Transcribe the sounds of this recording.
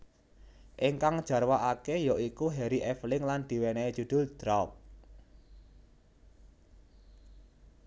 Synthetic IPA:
ʔɪŋkaŋd̥ʒ̥a̤rwaʔakejɔikuɦɛɾiʔɛflɪŋland̪̥i̤wɛnɛ̥ʒ̥ṳd̪̥ʊ̤ld̪̥ɾak̚

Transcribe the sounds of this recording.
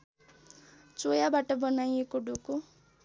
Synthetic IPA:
t͡sojabaʈʌbʌnajekoɖuko

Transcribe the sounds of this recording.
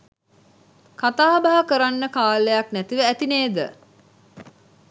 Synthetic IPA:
kat̪aːbaɦəkəɾanːəkaːlejaknæt̪iʋəæt̪ineːd̪ə

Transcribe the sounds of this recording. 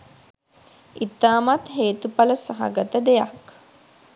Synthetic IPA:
it̪aːmat̪ɦeːt̪upaləsaɦa̰ɡət̪əd̪eja̰k

